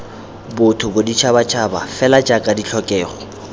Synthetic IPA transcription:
bʊtʰʊbʊdit͡ʃʰabat͡ʃʰaba̰fɛlat͡ʃʼakʼadit͡ɬʰɔkʼɛːχɔ

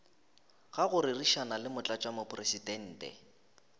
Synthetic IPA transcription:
ɣaɣʊɾɪriʃanalɪmʊt͡ɬʼat͡ʃʼwamʊpʰʼresidɛn̩ːtʼɛ̰

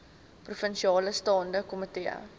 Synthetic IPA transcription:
prufənʃiɑːləstɑːndəkɔməteə̰

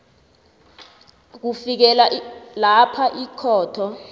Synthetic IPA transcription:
k̬ufik̬ɛlalapʰaʔikʰɔːtʰɔ

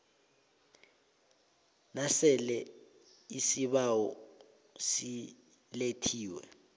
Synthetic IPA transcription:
nasɛlɛ | isiɓawɔ | si | letʰiːwɛ̰

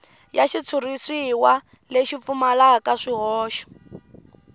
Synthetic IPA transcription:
jaʃit͡sʰurisiwa | leʃip̪fumalakaʂiɦɔːʃɔ̥

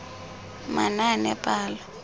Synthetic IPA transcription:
mananɛpʼaːla

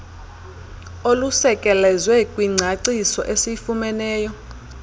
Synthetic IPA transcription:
olusɛkʼɛlɛzwɛkʼwiŋ͡ǀʱaǀisɔʔesifumɛnɛːjɔ

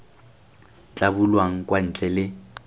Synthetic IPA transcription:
t͡ɬʼabulwaŋ̩kʼwan̩ːt͡ɬʼɛlɪ

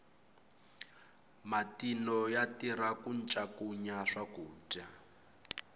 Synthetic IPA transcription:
matinɔjatiɾakunt͡ʃʼakuɲaʂakuːd͡ʒa

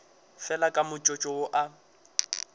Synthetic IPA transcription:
fɛlakʼamʊt͡ʃʼɔt͡ʃʼɔwʊʔa

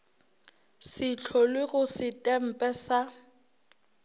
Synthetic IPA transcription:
sɪt͡ɬʰɔlwɪɣʊsɪtʼɛm̩pʼɛsa

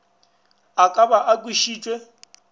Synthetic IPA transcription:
akʼabaʔakʼwiʃiːt͡ʃʼwe

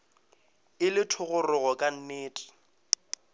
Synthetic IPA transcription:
ɪlɪtʰʊɣʊrʊɣɔkʼan̩neːtʼɪ̥

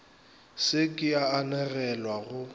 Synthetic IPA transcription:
sɪkʼɪaːnɛɣɛlwaɣʊ

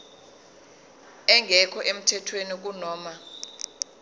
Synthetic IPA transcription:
ɛŋɡʱɛkʰɔʔem̩tʰɛtʰwenik̬unɔːma

